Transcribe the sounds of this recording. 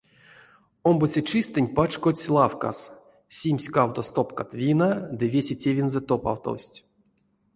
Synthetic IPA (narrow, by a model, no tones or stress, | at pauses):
ombot͡sʲet͡ʃɨst̪ɨnʲpat͡ʃkot͡sʲlˠafka̰s | sʲimʲsʲkawt̪ost̪opkat̪vʲinad̪ɨvʲesʲetʲevʲinzɛt̪opa̰wt̪o̰wsʲtʲ